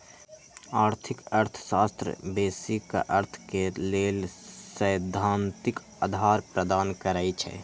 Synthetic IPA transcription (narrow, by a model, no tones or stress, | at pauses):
aːɾt̪ʰɪkəɾt̪ʰə̥saːst̪ɾə̰beːsika̰ʔəɾt̪ʰkeleːlsəjd̪ʱːaːnt̪ɪk | ad̪ʱaːɾpɾəd̪aːnkəɾaːjt͡ʃʰɛ̰